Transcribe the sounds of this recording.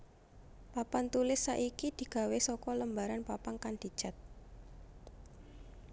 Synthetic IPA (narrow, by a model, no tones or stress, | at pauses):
papant̪ulɪsːaʔikid̪̥i̤ɡ̥a̤wesɔkɔləmbaɾanpapaŋkand̪̥i̤d̥ʒ̥a̤t̪̚